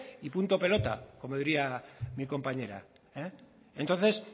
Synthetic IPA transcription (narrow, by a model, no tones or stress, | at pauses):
ipunt̪ope̞lo̞t̪a̰ko̞mo̞ðiɾiamiko̞mpaɲe̞ɾa̰ | e | ent̪o̞nθe̞s